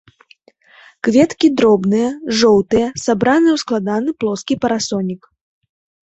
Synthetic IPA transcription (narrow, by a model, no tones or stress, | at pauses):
kvʲɛt̪kʲid̪ɾɔbnɨjɐʐɔwt̪ɨjɛsabɾanɨjwsklˠad̪anɨplˠɔskʲipɐɾasɔnʲik